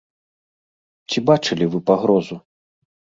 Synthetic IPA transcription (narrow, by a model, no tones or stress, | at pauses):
t͡sʲibat͡ʂɨlʲivɨpaɣɾɔzu